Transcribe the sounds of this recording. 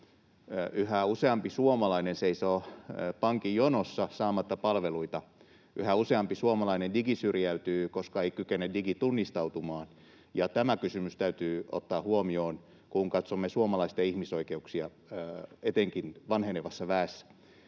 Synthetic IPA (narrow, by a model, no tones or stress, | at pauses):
ʔyhæuseɑmpisuomɑlɑinenseisoːpɑŋkijonosːɑsɑːmɑt̪ːɑpɑlʋeluit̪ɑ | ʔyhæuseɑmpisuomɑlɑinendiɡisyrjæyt̪yːkoskɑeikykenːediɡit̪unːist̪ɑut̪umɑːn | jɑt̪æmækysymyst̪æyt̪yːo̰t̪ːɑːhuomioːn | kuŋkɑt̪somːesuomɑlɑisit̪ɑihmisoikeuksiɑ | et̪eŋkinʋɑnheneʋɑsːɑʋæːsːæ̥